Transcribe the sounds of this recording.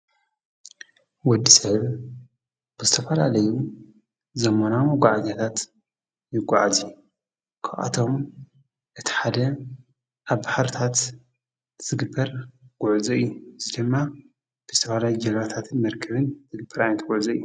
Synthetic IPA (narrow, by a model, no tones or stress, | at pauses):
wɔd̪ːisɐβ | b̥ɨzɨt̪ʰɐfɐlalɐju | zɐmanamɡʷaʕazat̪ʰat̪ | jɪɡʷaʕazi | kʰaʔa̰t̪ʰo̞m | ʔɨt̪ʰi̥ħad̪ɐ | ʔaβbaħaɾt̪ʰat̪ | z̥ɨɡɨbːɐɾɡ̥uʕzuɨjːuɨzid̪ɨmːa | b̥ɨzɨt̪ʰɐfɐlajud͡ʒɐlmat̪ʰat̪ʰɨnmɐɾkʰɐβɨnzɨɡɨbːɐɾajnɐt̪ɡ̥uʕzɐɨjːu